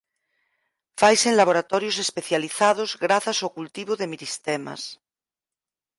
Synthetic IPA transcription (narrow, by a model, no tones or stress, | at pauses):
fajsenlaβ̞oɾat̪ɔɾjosespeθjaliθað̞ozɣɾaθasaowkult̪iβ̞oðemiɾist̪ema̰s